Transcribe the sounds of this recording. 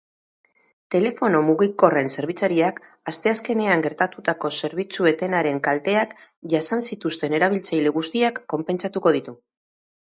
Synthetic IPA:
t̪e̞le̞fo̞no̞muɣiko̞re̞nse̞ɾβ̞it͡saɾiak | ast̪e̞aske̞ne̞aŋɡe̞ɾt̪at̪ut̪ako̞se̞ɾβit͡sue̞t̪e̞naɾe̞ŋkalt̪e̞ak | ʝasansit̪ust̪e̞ne̞ɾaβ̞ilt͡sajle̞ɣ̞ust̪iakːo̞mpe̞nt͡sat̪uko̞ð̞it̪u

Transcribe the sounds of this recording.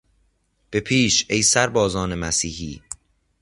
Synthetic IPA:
b̥e̞pʰiːʃejsæɾbɒːzɒːne̞mæsiːhḭː

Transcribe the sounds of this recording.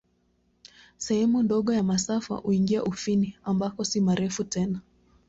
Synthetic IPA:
sɛhɛmundɔɠɔjamasafa̰huiŋɡiaʔufiniambakɔsimaɾʔɛfutɛna

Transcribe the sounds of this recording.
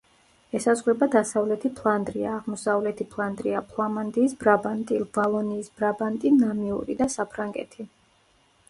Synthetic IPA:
ɛsazʁɾɛbad̪asavlɛt̪ʰipʰlˠand̪ɾiaːʁmɔsavlɛt̪ʰipʰlˠand̪ɾiapʰlˠamand̪iːsbɾabant̪ʼivalˠɔniːsb̥ɾabant̪ʼinamiṵɾid̪asapʰɾaŋɡɛ̰t̪ʰi

